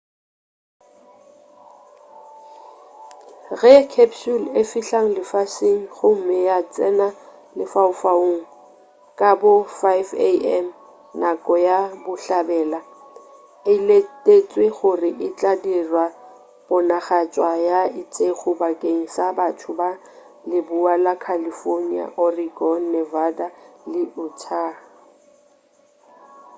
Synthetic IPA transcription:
ɣɛkʰɛpsulefiɬaŋ̩lɪfaseŋ̩χʊm̩mɪjat͡sʼɛna | lɪfaʊfaoŋ̩ | kʼabʊfajveɛm | nakʼɔjabʊɬabɛːla | ɪletʼet͡sʼweχʊrɪʔɪt͡ɬʼadirwa | b̥ʊnaχat͡ʃʼwajaɪt͡sʼeχʊbakʼeŋ̩sabatʰʊba | lɪbualakʰalifornia̰ʔɔriɡɔn̩nɛvadalɪʊtʰa

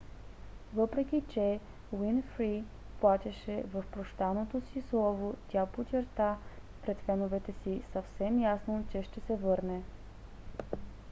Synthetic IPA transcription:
vɤpɾɛk̟ʲit͡ʃɛ | winfɾi | plˠat̪ʲɛʃɛvɐfpɾoʃt̪anot̪osislˠɔvot̪ʲapot͡ʃɛɾt̪a | pɾɛt̪fɛnovɛt̪ɛsisɐfsɛmjasnot͡ʃɛʃt̪ɛsɛvɤɾnɛ

